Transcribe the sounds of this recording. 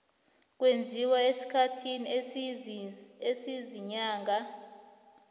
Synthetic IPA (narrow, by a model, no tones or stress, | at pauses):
k̬ʼwend͡zʱiwaesi̥kʰatʰini | esiziɲaːŋa